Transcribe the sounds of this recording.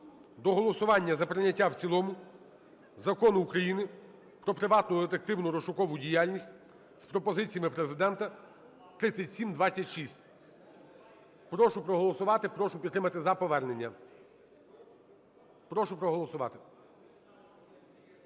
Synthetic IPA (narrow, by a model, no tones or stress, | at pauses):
d̪ɔɦɔlˠɔsʊʋɑnʲːɐzɐpɾɪnʲɐtʲːawt͡sʲilˠɔmʊ | zɐkɔnʊukɾɐjinɪ | pɾɔpɾɪʋɑt̪nʊd̪et̪ek̚t̪ɪwnʊɾɔʃʊkɔʋʊdʲijalʲnʲisʲtʲ | spɾɔpɔzɪt͡sʲijɐmɪpɾezɪd̪ɛnt̪ɐ | t̪ɾɪt͡sʲːɐtʲsʲimd̪ʋɑt͡sʲːɐtʲʃisʲtʲ | pɾɔʃʊpɾɔɦɔlˠɔsʊʋɑt̪ɪpɾɔʃʊpʲid̪ɾɪmɐt̪ɪzɐpɔʋɛrne̞nʲːɐ | pɾɔʃʊpɾɔɦɔlˠɔsʊʋɑ̰t̪ɪ̥